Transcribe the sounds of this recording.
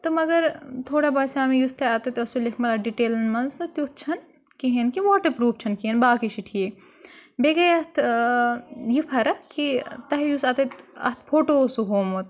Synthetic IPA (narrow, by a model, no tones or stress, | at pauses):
t̪ɐmɐɡɐɾt̪ʰoːɽabaːsaːmejust̪ɐaːt̪ɐt̪ɐsulekʰmɐlɐɖiʈeːlɐnmɐnzɐt̪ut̪̚ʰt͡ʃʰɐn | kiɦenkiʋaːʈɐpɾuːft͡ʃʰɐnkienbaːkiʃiʈʰie | beːɡɐjɐt̪ʰ | jipʰɐɾɐkit̪ɐɦjuːsaːt̪ɐt̪ɐ̰t̪ʰpʰoːʈoːsuɦoːmot̪